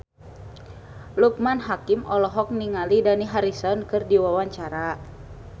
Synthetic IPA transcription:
luk̚manɦakimɔlɔɦɔk̚niŋalidaniɦaɾisɔnkɨrdiwawaɲt͡ʃaɾa

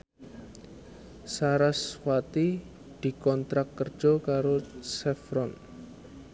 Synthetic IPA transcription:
saɾaswat̪i | d̪̥i̤kɔnt̪ɾakːər̥ʒ̥ɔkaɾosɛfɾɔn

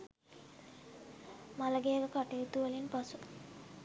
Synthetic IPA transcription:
maləɡejəɡəkaʈeːt̪uəlinpasu

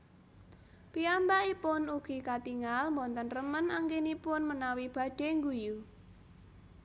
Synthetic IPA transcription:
piambaʔipʊnuɡ̥i̤kat̪iŋalmbɔnt̪ənrəmənaŋkenipʊnmənawib̥a̤ɖ̥e̤ŋɡuju

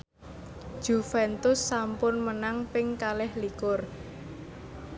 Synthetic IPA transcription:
ʒ̥ufɛnt̪ʊsːampʊnmənaŋpɪŋkalɛhlikʊr

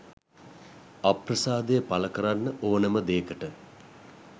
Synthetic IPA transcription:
aprəsaːd̪əjəpaləkəɾanːəʔoːnəməd̪eːkəʈə

